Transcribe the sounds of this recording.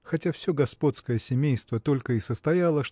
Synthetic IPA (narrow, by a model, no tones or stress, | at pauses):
xɐtʲafsʲɵɡɐspo̞t̪skəjəsʲɪmʲejst̪vət̪o̞lʲkəɪsəst̪ɐjalˠəʂ